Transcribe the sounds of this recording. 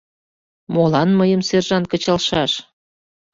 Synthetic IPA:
molɑnməjəmserʒɑn̚kət͡ɕɑlʃɑʃ

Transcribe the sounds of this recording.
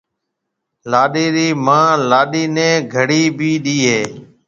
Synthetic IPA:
laːɗiːɾiːmãːlaːɗiːnɛ̃ːɡʱəɽiːbʱiːɗiːɦeː

